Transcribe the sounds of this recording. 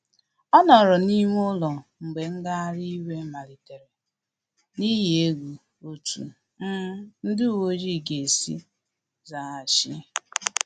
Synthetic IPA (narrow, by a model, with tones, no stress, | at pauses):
ɔ˦nɔ˨ɾɔ˨ni˦ŋʷ˦o˦lɔ˨ŋ͡m̩˨ɡ͡be˨ŋ̩˦ɡa˦ɾi˦we˦ma˨li˨te˨ɾe˨ | ni˦ɦi˨e˦ɡʷu˨ | o˨tṵ˨˦ | n̩˦dɪ˦˨wo˦d͡ʒi˦˨ɡe˨e˨sḭ˦ | za˨a˨ʃɪ˦